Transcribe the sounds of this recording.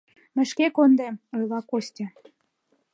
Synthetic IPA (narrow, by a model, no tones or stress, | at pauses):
mə̆ʃkekond̪emojlɑkosʲtʲĕ